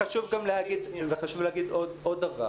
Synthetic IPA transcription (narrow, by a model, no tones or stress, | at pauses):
aʃuvɡamleaɡid̪veχaʃuvleaɡid̪od̪od̪aʁa̰